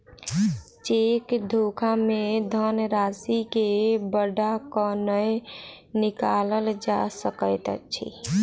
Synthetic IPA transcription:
t͡ʃekd̪ʱokʰamed̪ʱənɾasikebəɖakənəj | nikaləld͡ʒasəkəɪt̪ət͡ʃʰḭ

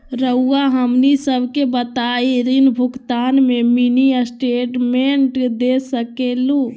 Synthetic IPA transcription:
ɾəuaɦəmnisəbʱkebət̪aiɾinbʱukt̪aːnmeminiəsʈeʈmeɳʈd̪esəkelu

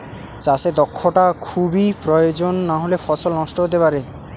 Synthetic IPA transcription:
t͡ɕased̪ɔkʰːoʈakʰubipɾojod͡ʑonːaɦolefɔsolnɔʃʈoɦot̪̬epaɾe

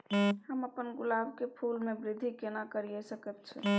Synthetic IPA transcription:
həməpənɡʊlabʱkepʰulmebɾɪd̪ʱːikenakəɾijɛsəkəb̚t͡ʃʰɛ̰

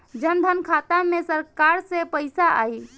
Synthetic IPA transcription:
d͡ʒənd̪ʱənkʰat̪amẽsəɾkaɾsẽpəɪsaʔa̰i

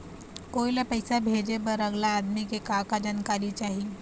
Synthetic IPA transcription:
koilapəjsabʱed͡ʒebəɾəɡlaːd̪mikekakad͡ʒənkaɾit͡ʃaɦi

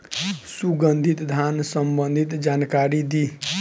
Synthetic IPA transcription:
suɡənd̪ʱit̪d̪ʱansəmbənd̪ʱit̪d͡ʒankaɾid̪i

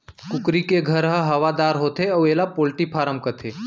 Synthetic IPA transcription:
kʊkɾikeɡʱəɾɦəɦɐʋad̪aːɾɦoːt̪ʰeɐʋeːlapoːlʈipʰaːɾəmkət̪ʰeː

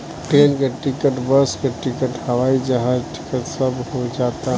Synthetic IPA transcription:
ʈɾenkeʈɪkəʈbəskeʈɪkəʈhəwaid͡ʒəɦazʈɪ̥kət̪səbɦod͡ʒat̪aɦ

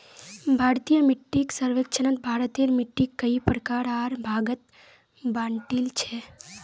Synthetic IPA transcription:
bʱaɾt̪ijəmiʈːiksəɾʋekt͡ʃʰənənt̪̚bʱaɾət̪eɾmiʈːikːəipɾəkaɾaɾbʱaɡət̪̚ | bãɳʈilt͡ʃʰe

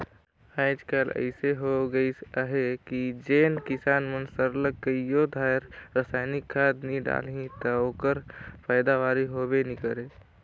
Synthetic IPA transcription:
aɪd͡ʒkaːlə̰ɪseɦoɡəisəɦekid͡ʒeːnkɪsaːnmənsəɾləɡːəijod̪ʱaːjɾɾəsaːɪnɪkʰːaːd̪nĩɖa̰ːlɦĩt̪əoːkəɾpʰəɪd̪aʋaːɾiɦobenikəɾe

